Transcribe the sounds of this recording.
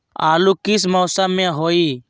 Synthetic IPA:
aːluːkɪs̬mɔːsamãɦoːiː

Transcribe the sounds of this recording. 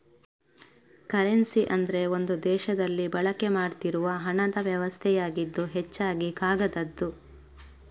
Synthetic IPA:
kɐɾensiʔɐnd̪ɐɾe̞o̞nd̪ud̪ɛːʃɐd̪ɐlːibɐɭɐke̞maːɽt̪iɾuʋɐɦɐɳɐd̪ɐʋjɐʋɐst̪ʰɛjaːɡid̪ːuɦet͡ʃːaːɡikaːɡɐd̪ɐd̪ːu

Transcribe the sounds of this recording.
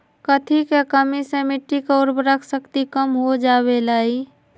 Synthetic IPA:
kət̪ʰikekəmisemɪʈikːoɾbɾəkʰsəkt̪ikəmɦod͡ʒaːbelaːi

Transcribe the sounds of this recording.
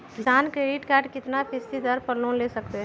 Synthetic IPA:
kɪsaːnkɾeːɖɪʈkaːɾɖkɪt̪napʰɪst̪id̪əɾpəɾlːõnleːsəkt̪eɦ

